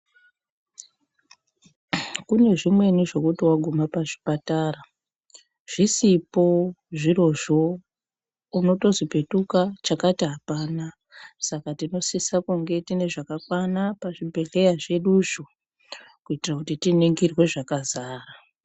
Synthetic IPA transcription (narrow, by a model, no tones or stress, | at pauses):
kune̞ʐimwe̞niʐo̞kutiwaɡʱumapaʐi̥patara | ʐ̥isipo̞ʐiro̞ʐo | uno̞to̞zipe̞tukat͡ʃakatiɦapaːna | sakatino̞sisakuŋɡe̞tine̞ʐakakwanapaʐibʱe̞ɮe̞jaʐe̞ɗuʃo | kuitirakutitiniŋɡirwe̞ʐakazaːra